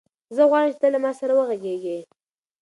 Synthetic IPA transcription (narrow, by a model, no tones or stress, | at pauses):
zəɣwɑɻəmt͡ʃɪt̪əlamɑsaɾawəɣaɡeɡe